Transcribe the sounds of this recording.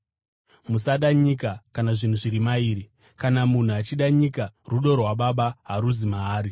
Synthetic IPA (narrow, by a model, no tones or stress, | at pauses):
musaɗaɲikakanaʐin̤uʐiɾimaiːɾi | kanamun̤uat͡ʃiɗaɲikaruɗorwaɓaɓaɦaɾuzimaɦaːɾi